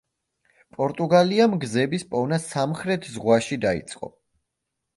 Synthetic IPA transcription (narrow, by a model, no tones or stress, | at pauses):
pʼɔɾt̪ʼuɡaliamɡzɛbispʼɔnasamχɾɛt̪ʰzʁwaʃid̪aḭt̪sʼqʼɔ̰